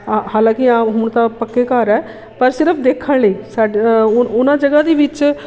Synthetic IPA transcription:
haːlãːkɪaːɦʊɳt̪ãːpəkːeːkəɾɛː | pəɾsɪɾəpʰd̪eːkʰːəɳləiːsaːɖʊʊnãːd͡ʒəɡaːd̪iːʋɪt͡ʃ

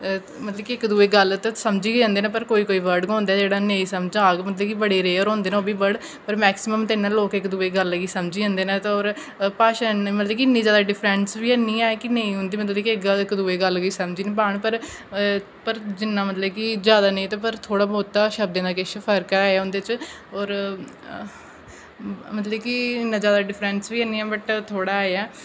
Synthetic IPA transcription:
mət̪ləbkiɪkd̪uːeːɡəlt̪asəmd͡ʒiːõːnd̪eːnaːpəɾkoːiːkoːiːʋəɾɖɡõːnd̪aːd͡ʒeːɽaːnẽĩːsəmd͡ʒaːɡmət̪ləbkibəɽeːɾeːəɾõːnd̪eːnaoːbiːbəɽ | pəɾmɛːksɪməmt̪eɪnːaːloːkɪkd̪uːeːɡəlːəɡiːsəmd͡ʒiːõːnd̪eːnãːt̪ːoːɾ | paːʃaːnmət̪ləbkiɪɪnːiːd͡ʒjaːd̪aːɖɪpʰɾɛ̃nsbiːɛnĩːaːkɪnə̃ĩɦʊ̃nd̪iːmət̪ləbkiɪkɡəɪkd̪uːeːɡəlɡiːsəmd͡ʒiːñːpaːɳpəɾ | pəɾd͡ʒɪnːãːmət̪ləbkɪzjaːd̪aːnə̃ĩt̪aːp̬əɾt̪ʰoːɽaːboːt̪ːaːʃəb̚d̪ẽːd̪aːkeʃəpʰəɾkaːaːɦʊ̃nd̪eːt͡ʃ | ɔːɾ | mət̪ləbkiɪnːãːzjaːd̪aːɖɪpʰɾɛnsʋiːənːiːɛːbəʈt̪ʰoːɽaːɛː

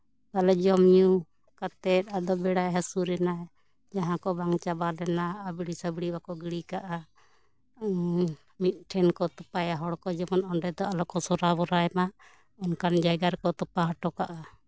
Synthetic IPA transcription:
kalɛd͡ʒɔmju | kat̪ɛt̪̚ad̪ɔbɛɽajɦasuɾɛnaj | d͡ʒaɦãkɔbaŋt͡ʃabalɛnaːbɽisabɽibakɔɡiɽikaʔa | mit̪̚ˀʈʰɛnkɔt̪ɔpajaɦɔɽkɔd͡ʒɔmɔnɔɳɖɛd̪ɔalɔkɔsɔɾabɔɾaɛmaʔ | ɔnkand͡ʒajɡaɾkɔt̪ɔpaɦaʈɔkaʔa

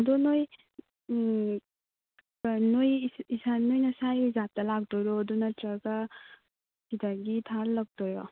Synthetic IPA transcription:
dɔnoj | nojisanojnɐsajzap̚tɐlak̚dɔɾɔːdunɐtɾaɡa | sidaɡitʰaɾlɐk̚dɔjɾɔ

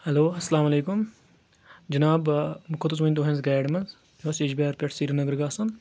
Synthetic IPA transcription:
hɐloːɐsːɐlaːmɐleːkʊm | d͡ʒɐnaːbmʊkʰot̪us̬mɐnʲd̪oːɦẽnzɡaːɖmɐnz | ɐseːd͡ʒbeːɾpʲɐʈʰsiːɾɐnɐɡəɾɡaːsɐn

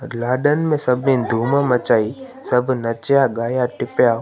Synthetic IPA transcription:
laːɖənmẽsɐbẽd̪ʱuːmãmɐt͡ʃaːi | sɐbʱnɐt͡ʃjaɡaːjaʈɪpjaː

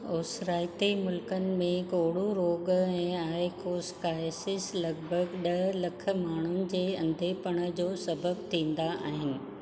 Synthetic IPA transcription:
oːsɾaːɪt̪emʊlkənɪ̆mẽɡoːɽuɾoːɡɛ̃ːaːɪkoːskaːjsɪslɐɡbʱəɡɗɐɦlɐkʰə̆maːɳ̤ʊnɪ̆d͡ʑeːɐ̃nd̪ʱepɐɽ̃ə̆d͡ʑoːsɐbəbt̪ʰĩːn̆d̪aʔa̰ːɦɪnɪ̆

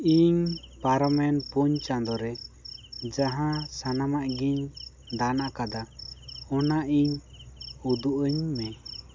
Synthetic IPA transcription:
iɲpaɾɔmɛnpuɲt͡ʃãd̪ɔɾɛ | d͡ʒaɦãsanamaʔɡiɲ | d̪anaʔkad̪aɔnaʔiɲ | ud̪uʔəɲmɛ

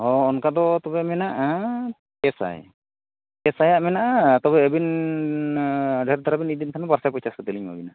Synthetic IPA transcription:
ɔːnkad̪ɔt̪ɔbɛmɛnaʔ | pɛsa̰j | kɛsajaʔmɛnaʔt̪ɔbɛːbin | ɖʱɛɾd̪aɾabinid̪int̪ʰanɔbaɾsajpɔjsaskɔd̪ɛliɲba̰bina

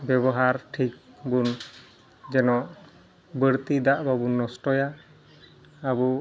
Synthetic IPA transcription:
bɛbɔɦaɾʈʰik̚bun | d͡ʒɛnɔʔ | bəɾt̪id̪aʔbabunːɔsʈɔja | bɔ

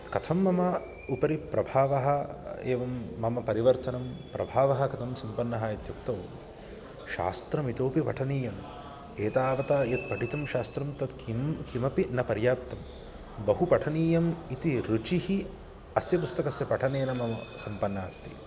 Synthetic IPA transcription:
kɐt̪ʰɐmːɐmɐ | upɐɾipɾɐbʱaːʋɐɦɐeːʋɐmːɐmɐpɐɾiʋɐɾt̪ɐnɐmpɾɐbʱaːʋɐɦɐkɐt̪ʰɐmsɐmpɐnːɐɦɐjɐt̪juk̚t̪ɐʋ | ʃa̰ːst̪ɾɐmit̪oːpiʋɐ̰ʈʰɐniːjɐm | eːt̪aːʋɐt̪aːjɐt̪̚pɐʈit̪ɐmʃaːst̪ɾɐmt̪ɐd̪kikimɐpinɐpɐɾjaːp̚t̪ɐm | bɐɦupɐʈʰɐniːjɐmit̪iɾut͡ʃihi | ɐsjɐpust̪ɐkɐsjɐpɐʈʰɐneːnɐmɐmɐsɐmpɐnːaːst̪i

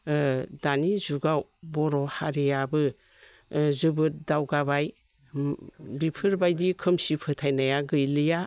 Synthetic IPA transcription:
danizuɡawbɔɾɔhaɾijabɯ | zɯbɯt̚dawɡabaj | bipʰɯɾbajdikʰɯmsipʰɯtʰajnajaɡɯjlɯja

